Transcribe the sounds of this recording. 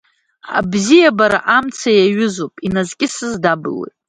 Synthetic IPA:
a̰bzijabaɾa̰ʔamt͡sʰajaɥʊzopʼinazkʲʼɪsɨzdabɨ̰lḛjtʼ

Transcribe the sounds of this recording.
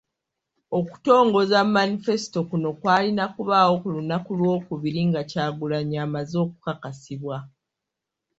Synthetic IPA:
o̞ku̥to̞ːŋɡo̞zammːanife̞si̥to̞kuno̞kwaːlinakuβaːwo̞kulunːakulwo̞ːkuβiɾiŋɡacaːɡulaɲaːmazo̞ːkukakasiβwa

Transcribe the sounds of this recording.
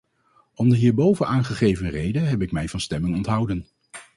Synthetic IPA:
ɔmdəɦiːɹbowvənʔaːnχəχejvənrejdənɦɛpɪkmɛjvɑnstɛmɪŋɔntɦʌwdən

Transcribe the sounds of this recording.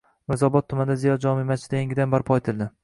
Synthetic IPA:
mɪzɒbɒt̪ʰːʊmand̪azijɒd͡ʒɒmimat͡ʃɪt̪ajaŋʲɡʲɪd̪anbaɾpʰɒet̪ʰɪlˠd̪ɪ

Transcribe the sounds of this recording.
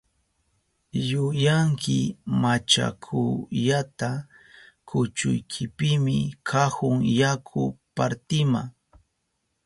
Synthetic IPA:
jʊjaŋkɪmat͡ʃa̰kʰʊʎat̪a | kʰʊt͡ʃʊ̰jkʰɪpɪmɪkʰahʊŋjakʰʊ̰paɾt̪ɪma̰ŋ

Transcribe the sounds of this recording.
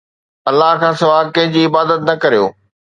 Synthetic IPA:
ɐlːaɦkʰãːsɐʋaːɡ̚kɐ̃ɦɪ̃ɲd͡ʑiːɪbaːd̪ət̪nɐkɐɾijo̰ː

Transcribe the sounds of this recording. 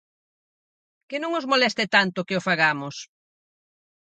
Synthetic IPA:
kɪnõŋozmolɛst̪et̪ant̪ʊkɪofaɣamʊs

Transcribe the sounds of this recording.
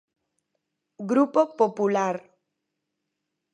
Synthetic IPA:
ɡɾupopopulaɾ

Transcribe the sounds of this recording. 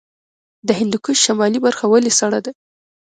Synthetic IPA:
d̪əhɪnd̪ukuʃamɑlibaɾxawalisaɽad̪a

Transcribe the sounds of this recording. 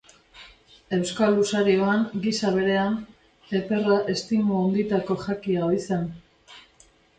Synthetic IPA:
e̞wskalːusaɾio̞aŋɡisaβ̞e̞ɾe̞an | e̞pe̞raʔe̞st̪imuond̪it̪ako̞ʝakiaoisen

